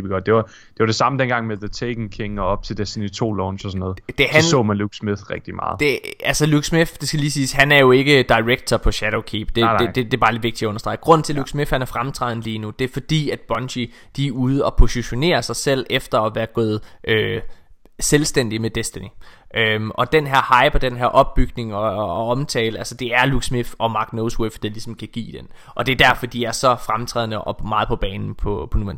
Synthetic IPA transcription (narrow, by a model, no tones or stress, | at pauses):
ib̥ɡ̥ɒd̥̚d̥e̝ʋɑ | d̥e̝ʋɑ̈ɾ̥e̝sɑ̈məd̥enɡ̥ɑ̈ŋmeðət͡sʰeɪɡ̥n̩kʰeŋɒɒ̽b̥̚t͡sʰe̝ld̥esd̥enit͡sʰo̝̰ːlɒːnɕɒsɒnːɔːð̩ˠd̥ehæɒsɔ̰̽ːmænluɡ̥smiðʁɛɡ̥d̥imɑ̈ːð̩ˠd̥e̝ælsəluɡ̥smiθd̥e̝sɡ̥æliːsiːsɦænæɐjo̝e̝ɡ̥əd̥ɑ̈ɪʁeɡ̥̚t͡sʰɐpʰɒ̽ɕæɾ̥o̰ʊkʰiːb̥d̥e̝ed̥ed̥e̝b̥ɑ̈ːledʋeɡ̚d̥iæɔ̽nɐsd̥ʁɑ̈ɪɡ̥ʁɔ̽n̰n̩t͡sʰe̝luɡ̥smifhænæɐfʁamt͡sʰʁɑ̈ðˠn̩liːnud̥e̝æɐfɒ̽d̥ḭːæd̥̚b̥ɒ̽nɕi | d̥iuːð̞ˠəɒ̽pʰo̝siɕo̝ne̝̰ːɐsɑ̈ɪsel̰efd̥ɐɒʋæːɐɡ̥ɔːð̞̩ˠʔø | selsd̥en̰d̥imed̥esd̥æniʔøʔɒ̽d̥enɦæɐhɑ̈ɪb̥ɒd̥enɦæɐʔɒ̽b̥ːyɡ̥ne̝ŋɒ̽ɒ̽mt͡sʰɛ̰ːləælsəd̥e̝æɐluɡ̥smifɒ̽mɑ̈ɡ̥noʊswefd̥elisɒ̽m̩kʰæɡ̥ḭːd̥en | ʔɒ̽d̥e̝æɐd̥æɐfɒ̽d̥iæɐsɒ̽fʁamt͡sʰʁɛ̰ðˠnəʔɒmɑ̈ːð̩ˠpʰɒ̽b̥ɛːnn̩pʰɒpʰɒ̽nuæn